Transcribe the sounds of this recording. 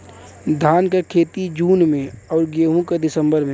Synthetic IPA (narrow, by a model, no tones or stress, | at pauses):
d̪ʱaːnkakʰeːt̪id͡ʒuːnmẽɔːɾɡeːɦũkad̪ɪsə̃mbəɾmẽ